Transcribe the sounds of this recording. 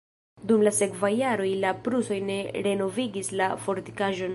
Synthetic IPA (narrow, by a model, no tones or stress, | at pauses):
dumlase̞kvajːaɾo̞jlapɾuso̞jne̞ɾe̞no̞viɡislafo̞ɾti̥kaʒo̞n